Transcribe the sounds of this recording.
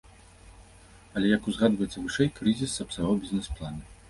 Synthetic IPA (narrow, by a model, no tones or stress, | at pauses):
ɐlʲɛjɐkuzɣad̪vɐjɛt̪sɐvɨʂɛjkɾɨzʲisɐpsaɣɔbʲizʲnɛsplˠanɐ